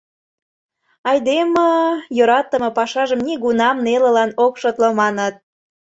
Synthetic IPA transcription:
ɑjd̪eməjoɾɑt̪əmɤ̆pɑʃɑʒəmniɣunɑmnelə̆lɑnokʃot̪ləmɑnət̪̚

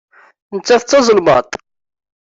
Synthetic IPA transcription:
nət͡sːæθt͡sːɑzˤəlmɑt̪ˤ

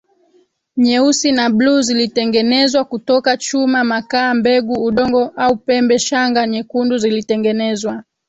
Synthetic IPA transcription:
ɲɛusinabluːzilitɛŋɡɛnɛzwakutɔkat͡ʃumamakaːmbɛɡuːɗɔŋɡɔʔaupɛmbɛʃaŋɡaɲɛkunduzilitɛŋɡɛnɛzwa

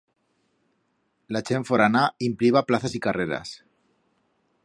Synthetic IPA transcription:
lat͡ʃeɱfoɾanaimpliβaplaθasikareɾa̰s

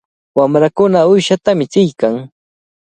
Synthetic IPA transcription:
wamɾakʊnaʊjʃat̪amɪt͡sɪjkaŋ

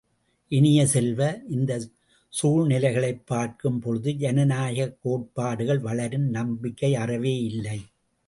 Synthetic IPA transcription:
ʔɪnɪjɐsɛlʋɐʔɪnd̪ɐ | suːɻnɪlɐɪɣɐɭɐɪpːaːɾkɯmpɔɻɯðɯd͡ʒɛnɐnaːɣɐkːoːʈ̚paːɽɯɣɐɭʋɐɭɐɾɯnnɐmbɪkːɐɪɐrɐʋeːɪlːɐɪ

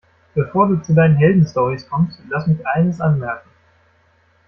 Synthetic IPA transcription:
b̥əfoːɐduːt͡sudaɪnənɦɛldn̩stɔʁiskʰɔmstlasmɪçʔaɪnəsʔanmɛɐkŋ̩

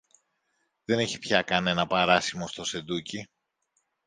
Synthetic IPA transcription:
ðe̞ne̞çi̥pçɐkɐne̞nɐpɐɾɐsimo̞st̪o̞se̞d̪uci

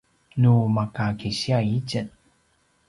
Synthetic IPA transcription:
numakakiɕiait͡ɕən

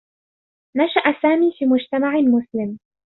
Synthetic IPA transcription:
naʃaʔasaːmiːfiːmʊd͡ʒt̪amaʕɪmʊslɪm

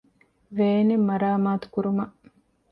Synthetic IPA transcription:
ʋeːnemːɐɾaːmaːt̪u̥kuɾumɐʔ

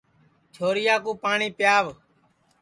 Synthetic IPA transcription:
t͡ʃʰoːɾɪjaːkũːpaːɳiːpɪjaːʋ

